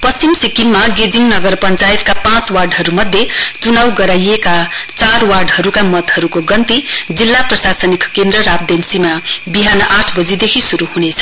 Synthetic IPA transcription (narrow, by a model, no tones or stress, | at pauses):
pʌsimsikimːaɡed͡ziŋnʌɡʌrpʌnt͡sajet̪̚kapãt͡swarɖɦʌɾumʌd̪ʱjet͡sunawɡʌɾajekat͡sarwarɖɦʌɾukamʌt̪hʌɾukoɡʌnt̪id͡zilːaprʌsasʌnikkend̪rʌɾab̚d̪emsimabiɦanʌʔaʈʰbʌd͡zid̪ekʰisuɾuhunet͡sʰʌ̥